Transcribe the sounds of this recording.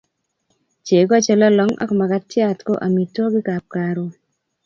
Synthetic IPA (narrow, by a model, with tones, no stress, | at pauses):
t͡ʃe˨ɡɔ˦t͡ʃɔ˦lɔ˦lɔ˦ŋɔ̰˦kma˨ka˦tja˨tko˦ʔa˨mi˨to˦ɡɪ˦ka˨p̚ka˨ɾo˨